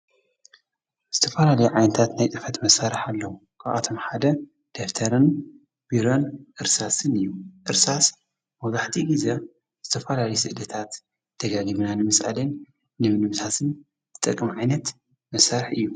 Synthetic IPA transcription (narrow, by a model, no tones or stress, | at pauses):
z̥ɨt̪ʰɐfɐlalɐjuʕajnɐt̪ʰat̪najt̪ʼɨfɐt̪mɐsːaɾɨħalːɐwu | kʰaβʔa̰t̪ʰo̞mħad̪ɐ | d̪̥eft̪ʰɐɾɨn | b̥iɾo̞nʔɨɾsasɨnɨjːuʔɨɾsas | mɐwzaħt̪ʰiɡize | z̥ɨt̪ʰɐfɐlalɐjusɨʔɨlɐt̪ʰat̪ | d̪̥ɐɡaɡiβɨnanɨmɨsʔa̰linː | ɨmɨnɨmt̪ʰat̪ʰɨn | zɨt̪ʼɐkʼːɨmʕajnɐt̪ | mɐsːaɾɨħɨjːu